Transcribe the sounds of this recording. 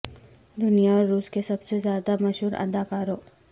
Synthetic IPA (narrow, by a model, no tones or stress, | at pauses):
d̪ʊnijaɔːɾːuːskesɐbsezjaːd̪amɐʃɦuːɾɐ̰d̪aːkaːɾoː